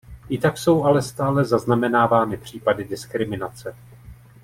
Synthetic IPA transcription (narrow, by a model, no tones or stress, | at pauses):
ʔɪt̪akso̞wʔalɛst̪aːlɛzaznamɛnaːvaːnɪpr̝̥iːpadɪdɪskɾɪmɪnat͡sɛ